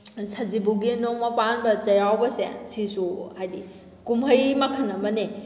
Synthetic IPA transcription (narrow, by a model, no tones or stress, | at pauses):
sʰɐd͡ʒibuɡinoŋmɐpanbɐt͡ʃɐjawbɐsḛsisuhajdi | kumɦɐjmɐkʰɐnːɐmɐni